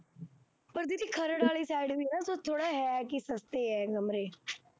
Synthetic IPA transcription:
pəɾd̪id̪iːkʰəɾəɽaːliːsaːɪɖʋinãːsot̪ʰːoːɽaːɦɛɛkisəst̪eːɛːɡəmɾeː

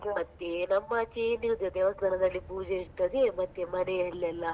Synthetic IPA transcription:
mɐt̪ːenɐmːɐt͡ʃeːniɾud̪ɐd̪ɛʋɐsd̪ɐnɐd̪ɐlːipuːd͡ʒeiɾt̪ɐd̪emɐt̪ːemɐnejɐlːɛlːɐ

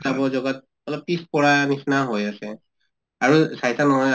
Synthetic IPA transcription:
abɔzɔɡat̚ | ɔlɔb̚pispɔɹanisnaɦojasɛ | aɹusajtanɔɦɔj

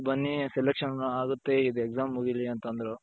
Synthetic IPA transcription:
bɐnːiselekʂɐnuaːɡut̪ːeid̪ueɡzaːmːuːɡiliɐnt̪ɐnd̪ɐɾo

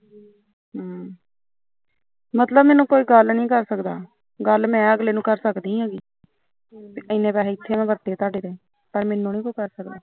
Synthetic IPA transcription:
ɦː | mət̪ləbmɛːnũːkoːiːɡəlnĩːkəɾsəkd̪a̰ː | ɡəlmɛ̃ːəɡleːnũːkəɾsəkd̪ĩːɦãːɡiː | pːʔəɪnːẽːpɛːlẽːɪt̪ʰːeːmɛ̃ːbət̪ːeːt̪aːɖeːd̪ẽː | pəɾmenːũːnĩːkoːiːkəɾsəkd̪aː

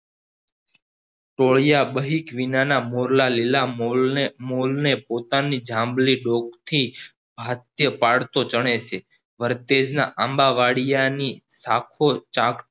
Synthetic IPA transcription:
ʈoɭjabəɦikʋinanamoɾlalila | molnepot̪anid͡ʒãmbliɖokt̪ʰi | bʱat̪jəpaɽt̪ot͡ʃəɳ̃et͡ʃʰe | ʋəɾt̪ed͡ʒna̰ʔãmbaʋaɽijanisakʰot͡ʃãk

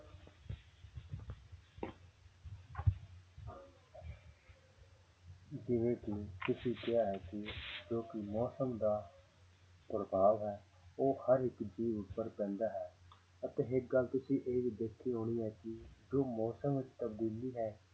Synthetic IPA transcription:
d͡ʒɪʋẽːkɪt̪ʊsĩːkɪaːɦɛːkɪd͡ʒoːkɪmɔːsəmd̪aː | pɾəbaːʋɦɛː | oːhəɾɪkd͡ʒiːʋʊpːəɾpɛ̃ːnd̪aːɦɛː | ət̪ẽːɦɪk̚ɡəlt̪ʊsĩːʔeːʋiːd̪eːkʰːiːɦoːɽ̃iːɦɛːkɪd͡ʒoːmɔːsəmʋɪt͡ʃt̪aːɡʊlːiːɦɛː

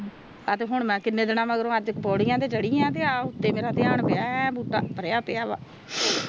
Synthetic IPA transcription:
ət̪eːɦʊɳmɛ̃ːkɪnːẽːd̪ɪnãːməɡɾõːəd͡ʒkpɔːɽɪjãːt̪eːd͡ʒəɽijãːt̪̬eːaːʊt̪ːeːmeːɾaːt̪ɪaːɳpɪaːbuːʈːa̰ːpəɾaːpɪjaːʋa̰ː

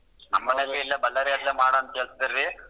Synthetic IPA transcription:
nɐmːɐnɛlɐiɪlːɐbɐlːɐɾɪjɐlːeːmaːɽɐɐnt̪eːɭst̪ɐɾːi

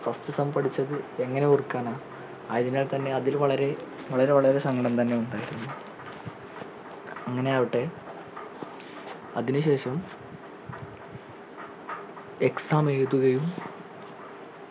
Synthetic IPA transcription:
fɐstɨsɐmbɐɽit͡ɕːɐðɨe̞ŋːɐne̞orukːaːnaː | aːiðinaːlt̪ɐnːe̞ɐðilʋɐɭɐɾe̞ | ʋɐɭɐɾe̞ʋɐɭɐɾe̞sɐŋɡɐɽɐmt̪ɐnːe̞uɳɖaːjiɾunːu | ɐŋːɐne̞ɐʋiʈːe̞ | ɐðinuɕe̞ːɕɐm | eksaːmeɻt̪ːuɣɐjum

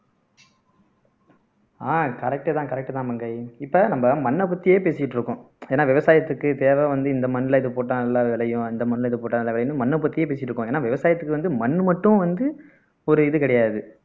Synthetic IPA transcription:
aːkɐɾɛk̚ʈːɯt̪ãːkɐɾɛk̚ʈːɯt̪ãːmɐŋɡɐɪɪpːɐnɐmbɐmɐnːɐpʊt̪ːɪjeːpeːsɪɪʈːɾɯkːʊ̃ | eːnːaːʋɪʋɐsaːjɐt̪ːɯkːɯt̪eːʋɐʋɐnd̪ɯɪnd̪ɐmɐnːɪlɐɪðɯpoːʈːanɐlːaːʋɪɭɐjʊ̃ɪnd̪ɐmɐnɯlɪðɯpoːʈːɐːnɐlːaːʋɪɭɐjɯnːmɐnːɐp̬ːɐt̪ːɪjeːp̬eːsɪɪʈːɾɯkːʊ̃eːnːaːʋɪʋɐsaːjɐt̪ːɯkːɯʋɐnd̪ɯmɐnːɯmɐʈːʊ̃ʋɐnd̪ɯ | ɔɾɯɪðɯkɐɽɐjaːðɯ

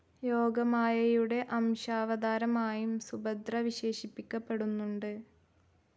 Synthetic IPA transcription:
jo̞ːɡɐmaːjɐjuɽe̞ʔɐmɕaːʋɐd̪aːɾɐmaːjumsubɐd̪rɐʋiɕe̞ːɕipːikʲːɐpːe̞ɽunːuɳɖɨ

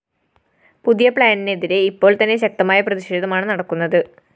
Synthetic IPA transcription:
puðijɐpɭaːnineðiɾe̞ipːo̞ːɭt̪ɐnːe̞ɕ̬ɐk̚t̪ɐmaːjɐprɐðiɕeːðɐmaːɳɨnɐɽɐkːun̪ːɐðɨ

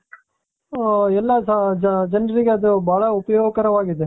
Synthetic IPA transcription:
ɛlːɐd͡ʒd͡ʒɐnɐɾiɡeɐd̪ubʱaːɭɐupɐjoːɡɐkɐɾɐʋaːɡid̪e

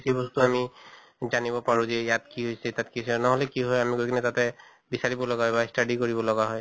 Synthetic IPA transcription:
isibɔst̪uami | zanibɔpaɹũzɛjatkiɦojsɛt̪atkisɛnaɦɔlɛkiɦɔjamiɡojkʰinɛtatɛ | bisaɹibɔlɔɡaɦɔjbastaɖikoɹibɔlɔɡaɦɔj

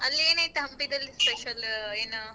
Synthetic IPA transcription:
ɐlːieːnajt̪eɦɐmpid̪ɐlːispeʃɐleːn

